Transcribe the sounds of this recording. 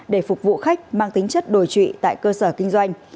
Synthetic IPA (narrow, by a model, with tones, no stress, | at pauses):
ɗe˧˩fʊ˨˩k͡p̚vṵ˧˨xa˦˥jk̟̚maː˧ŋt̪ï˨˦ŋ̟t͡ɕə˦˥t̚ɗo˨˧˩jt͡ɕwḭ˧˨t̪a̰ː˧˨jkəː˧səː˧˩kï˧ŋ̟zwa˧jŋ̟